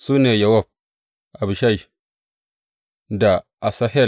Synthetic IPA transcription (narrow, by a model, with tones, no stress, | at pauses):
su˦ne˨ja˨wa˦˨b̚ | a˨bi˨ʃa˦i˨ | da˨ | a˨sa˦ɦe˦˨